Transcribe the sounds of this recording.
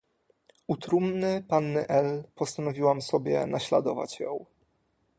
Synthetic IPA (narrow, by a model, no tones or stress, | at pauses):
ut̪ɾumnɘpanːɘʔɛlpɔst̪anɔvʲiwamsɔbʲjɛ̰naɕlad̪ɔva̰t͡ɕjɔ̰̃w̃